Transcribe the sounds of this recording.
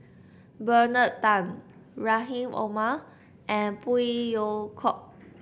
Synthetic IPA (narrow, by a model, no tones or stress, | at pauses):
bənətãnɹaɦĩmʔo̰ma | ʔɛ̃npuijokʰɔp̚